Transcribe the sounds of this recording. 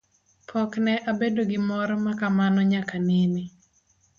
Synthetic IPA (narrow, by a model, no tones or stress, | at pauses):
pʰɔknɛʔabedoɡɪmɔɾɔmakamanɔɲakanɪmi